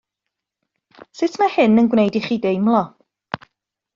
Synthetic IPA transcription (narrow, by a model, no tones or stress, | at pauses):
sɪtʰmahɪnənɡwnejdiχiːdejmlˠɔ